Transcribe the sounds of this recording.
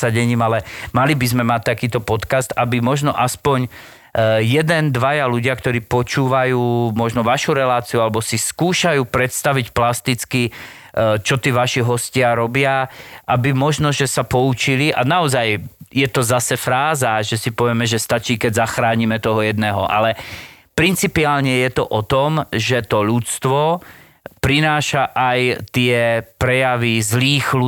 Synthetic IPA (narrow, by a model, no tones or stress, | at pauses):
aɟɛɲiːmalɛmalibizmɛmac̚t̪akiːt̪ɔpɔt̪kast̪abimɔʒnɔʔaspɔɲ | jɛd̪ɛnd̪ʋajaluɟɪakt̪ɔɾiːpɔt͡ʃuːʋajuːmɔʒnɔʋaʃuɾɛlaːt͡siualɛbɔsiskuːʃajuːpɾɛt̪st̪aʋicplast̪it͡ski | t͡ʃɔt̪iːʋaʃiɦɔscɪaɾɔbɪaʔabimɔʒnɔʒɛsapɔut͡ʃiliʔa̰naɔzajjɛt̪ɔzasɛfɾaːzaʒɛsipɔʋɪɛmɛʒɛst̪at͡ʃiːkɛɟzaxɾaːɲimɛt̪ɔɦɔjɛd̪nɛːɦɔ̰ʔa̰lɛ | pɾint͡sipiaːlɲɛjɛt̪ɔʔɔt̪ɔmʒɛt̪ɔʎut͡st̪ʋɔ | pɾinaːʃaʔajt̪ɪɛpɾɛjaʋizliːxlu